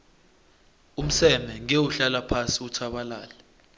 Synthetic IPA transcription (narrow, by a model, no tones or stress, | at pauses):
um̩sɛmɛŋewuɬalapʰasiutʰaɓalaːlɛ